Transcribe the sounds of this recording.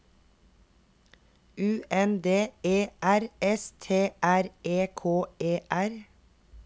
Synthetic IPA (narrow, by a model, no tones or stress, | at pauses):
ʔʉːʔɛnd̪eːeːʔæɾɛst̪ʰeːʔæɾeːkʰoːeːʔæɾ